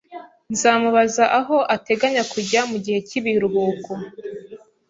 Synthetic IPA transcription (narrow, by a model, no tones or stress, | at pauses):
nzaːmuβazaʔaɦo̞ʔate̞ɡaɲakuɟamuɟihe̞ciβiɾuβuːko